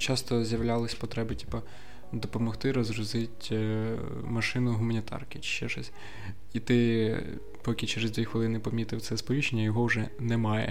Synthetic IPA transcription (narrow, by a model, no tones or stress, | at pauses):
t͡ʃɑst̪ɔzʲjɐwlʲɑlˠɪsʲpɔt̪ɾɛbɪtʲi̥pɐ | d̪ɔpɔmɔxt̪ɪɾɔzɾʊzɪtʲ | mɐʃɪnʊɦʊmɐnʲit̪ʰɑ̰rkɪt͡ʃɪ̥t͡ʃːɛʃɔsʲ | it̪ɪ | pɔkʲɪt͡ʃeɾezd̪ʲʋʲixʋɪlˠɪnɪpɔmʲit̪ɪwt̪sɛspɔʋʲit͡ʃenʲːɐjɔɦɔwʒɛnɛmɑjɛ̰